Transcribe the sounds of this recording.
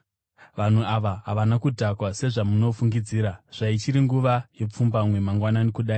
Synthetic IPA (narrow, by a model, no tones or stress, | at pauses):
ʋan̤uaʋaɦaʋanakudʱakwase̞ʐamuno̞fuŋɡid͡ziːɾaʐ̥ait͡ʃiɾiŋɡuʋaje̞p͡fumbamwe̞maŋɡwananikuɗaːi